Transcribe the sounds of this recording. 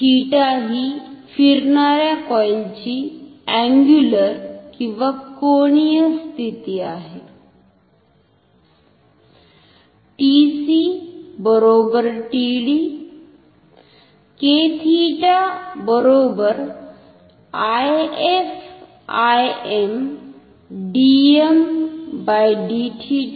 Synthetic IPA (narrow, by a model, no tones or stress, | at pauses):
hiʈaɦifiɾnaɾjakɔjnt͡ɕiɛ̃ŋɡjuləɾkĩʋakoɳ̃ijəst̪ʰit̪iːaɦe | ʈisibəɾoːbəɾʈiːɽi | keːt̪ʰiːʈabəɾoːbəɾ | ajef | ajem | ɖiembajɖiʈʰi